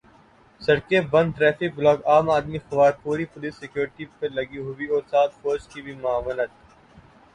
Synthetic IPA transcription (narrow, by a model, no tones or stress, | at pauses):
sɐɽkebɐ̃nd̪̚ʈɾɛːfɪk̚blɔːɡaːmaːd̪mixɐʋaːɾpuːɾipʊliːsːɪkjuːɾɪʈipɐɾlɐɡiɦʊwiɔːɾsaːt̪foːd͡ʒkibʱimʊaːʋlət̪